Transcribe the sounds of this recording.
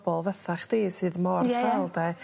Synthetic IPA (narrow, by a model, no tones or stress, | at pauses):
bɔlˠvəθaχd̥eːsɨːðmɔrsalˠdɛ